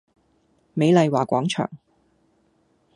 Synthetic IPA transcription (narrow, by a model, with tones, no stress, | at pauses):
me˨˧jlɐ˨˧jwaː˨˩kʷɔ̰ː˨˥ŋt͡ʃʰœ̰ː˨˩ŋ